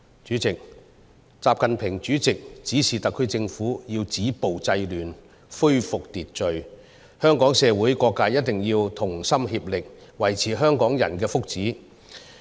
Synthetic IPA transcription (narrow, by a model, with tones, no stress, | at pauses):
t͡ʃyː˨˥t͡sɪ˨k̚ | t͡saː˨p̚kɐ˨npʰɪ˨˩ŋt͡ʃyː˨˥t͡sɪ˨k̚t͡siː˨˥siː˨˩t̪ɐ˨kʰːɵ˥ɥt͡sɪ˧ŋfuː˨˥jiː˧wt͡siː˨˥po˨wt͡sɐ˧jlyː˨˩n | fɵ˥ɥfʊ˨k̚t̪iː˨˩t̚t͡ʃɵ˨ɥ | hœː˥ŋkɔː˨˥ŋsɛː˨˧wuː˨˥jkɔː˧kːaː˧jɐ˥t̚t̪ɪ˨ŋjiː˧wt̪ʰʊ˨˩ŋsɐ˥mhiː˧p̚lɪ˨k̚wɐ˨˩jt͡sʰiː˨˩ɦœː˥ŋkɔː˨˥ŋjɐ̰˨˩nkɛː˧fʊ˥k̚t͡siː˨˥